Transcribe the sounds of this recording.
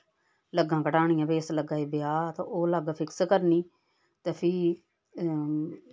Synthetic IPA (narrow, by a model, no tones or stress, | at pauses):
ləɡãːkəʈaːɽ̃ijãːbeːsləɡãːiːbjaːt̪ã̰ʔoːlaːɡapʰɪkskəɾniː | t̪eːpʰi